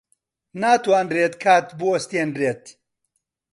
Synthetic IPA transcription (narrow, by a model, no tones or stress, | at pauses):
naːt̪waːnreːt̪kʰaːt̪buwɐst̪eːnreːt̪